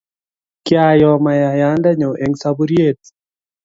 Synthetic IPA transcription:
kjajɔ˨maja˨janda˦ɲo˨ʔe˨ŋsabuɾje˦˨t

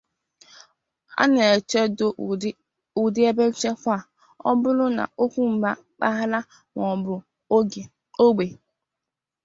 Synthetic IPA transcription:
a̰˦ne˨e˨t͡ʃe˦do˦ | u˨dɪ˦e˦be˦n̩˦t͡ʃe˦kʷa˦˨ | ɔ˦bʊ˦lʊ˦na̰˨ʔo˦kʷu˦m̩˨ba˦ | k͡pa˦ɦa˦la˦ | ŋɔ˨bʊ˨˦˨ | o˦ɡ͡be˨

